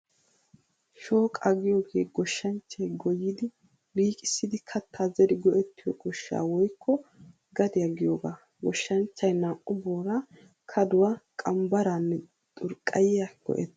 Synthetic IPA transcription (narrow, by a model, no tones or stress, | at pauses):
ʃo̞ːkʼɐɡɪjo̞ːɡeːɡɔʃːɐnt͡ʃːɐjɡɔjːɪd̪ɪ | biːkʼɪsːɪd̪ɪkʰɐt̪ʰːaːzɛd̪ɪɡɔʔɛt̪ːɪjɔɡɔʃːa̰ːwɔjkʰːɔ | ɡɐd̪ɪjɐɡɪjoːɡaː | ɡɔʃːɐnt͡ʃːɐjnaːʔʼʊboːɾa | kʰɐd̪ʊwakʼɐmbɐɾanːɛ | t̪ʼʊɾkʼːɐjɪjaɡ̥ɔ̰ʔɛt̪ː